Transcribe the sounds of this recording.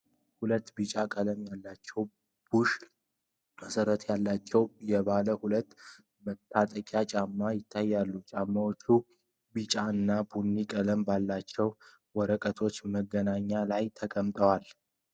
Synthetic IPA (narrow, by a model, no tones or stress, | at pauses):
hulət̪ːbɨt͡ʃʼakʼələmjalːat͡ʃːɛw | b̥uʃ | məsəɾət̪ʰjalːat͡ʃːɛwjɛβaləhulət̪ː | mət̪ʰːat̪ʼəkʼat͡ʃʼamːajɪt̪ʰːajːalːut͡ʃʼamːawot͡ʃːu | bɨt͡ʃʼaɨnːabunːikʼələmbalːat͡ʃːɛw | wɔɾəkʼət̪ʰo̞t͡ʃːməɡːənaɲːalajt̪ʰəkʼəmt̪ʼəwal